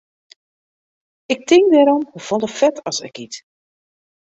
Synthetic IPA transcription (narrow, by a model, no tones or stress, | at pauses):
ɪk̚tɪŋdɛɾɔmhəfɔlˠəfɛtɑsə̰kit